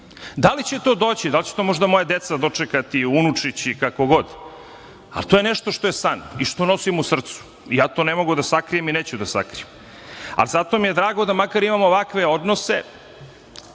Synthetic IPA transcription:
d̪alit͡ɕet̪o̞ːd̪oːt͡ɕid̪alt͡ɕe̥t̪o̞mo̞ʒd̪amo̞jad̪e̞t̪sad̪o̞t͡ʂekat̪iunut͡ʂit͡ɕikako̞ɡo̞d̪ | a̰lit̪ojeneʃt̪o̞ʃt̪o̞jesaniʃt̪o̞no̞simusr̩t̪su̥ | ijaːt̪o̞ːnemo̞ɡud̪asakɾijemineːt͡ɕud̪asa̰kɾḭjem | a̰lizat̪o̞mije̞d̪ɾaːɡo̞d̪amakaɾimamooʋakʋe̞od̪no̞sḛ

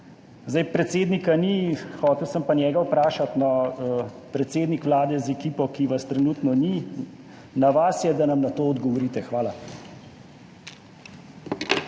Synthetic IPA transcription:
zd̪ajpɾɛt̪seːd̪nikanixɔːt̪ɛwsəmpanjɛːɡawpɾaːʃat̪nɔ | pɾɛt̪seːd̪nikʋlaːd̪ɛzɛkiːpɔkiʋast̪ɾɛnuːt̪nɔni | naʋasjɛd̪anamnat̪oːɔd̪ɡɔʋɔɾiːt̪ɛxʋaːla

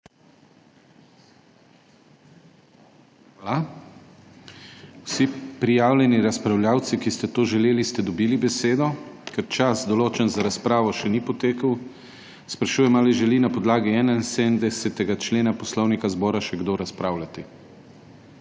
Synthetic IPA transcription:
ala | wsipɾijaːwlʲɛniɾaspɾawljaːwt̪sikist̪ɛt̪oːʒɛleːlist̪ɛd̪ɔbiːlibɛseːd̪ɔkɛɾt͡ʃasd̪ɔloːt͡ʃɛnzaɾaspɾaːʋɔʃɛnipɔt̪eːkəw | spɾaʃuːjɛmalɛʒɛlinapɔd̪laːɡiɛːnainsed̪nd̪ɛsɛt̪ɛɡat͡ʃleːnapɔslɔwnikazbɔːɾaʃɛɡd̪oɾaspɾaːwlat̪i

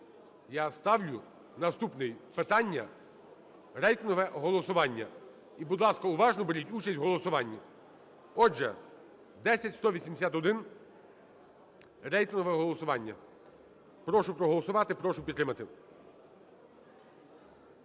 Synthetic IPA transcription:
jast̪ɑwlʲʊ | nɐst̪upnɪjpɪt̪ɑnʲːɐ | rɛjt̪ɪnɦɔʋɛɦɔlˠɔsʊʋɑnʲːɐ̰ | ibʊd̪lˠɑskɐʊʋɑʒnɔbeɾʲitʲut͡ʃɐsʲtʲɦɔlˠɔsʊʋɑnʲːi | ɔʒɛ̰ | d̪ɛsʲɐtʲst̪ɔʋʲisʲimd̪esʲat̪ɔd̪ɪn | rɛjt̪ɪnɦɔʋɛɦɔlˠɔsʊʋɑnʲːɐ̰ | pɾɔʃʊpɾɔɦɔlˠɔsʊʋɑt̪ɪpɾɔʃʊpʲit̪ːɾɪmɐt̪ɪ

